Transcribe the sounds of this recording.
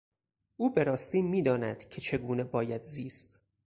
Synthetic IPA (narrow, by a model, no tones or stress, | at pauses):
ʔuːbe̞ɾɒːst̪iːmiːd̪ɒːnæd̪̥cʰe̞t͡ʃʰe̞ɡuːnebɒːjæd̪ziːst̪